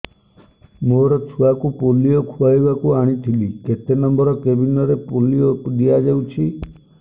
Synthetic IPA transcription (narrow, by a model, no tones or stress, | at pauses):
moɾɔt͡ʃʰuakupolijɔkʰuajbakuaɽ̃it̪ʰiliket̪enɔmbɔɾɔkebinɔɾepolijopd̪ijad͡ʒaut͡ʃʰi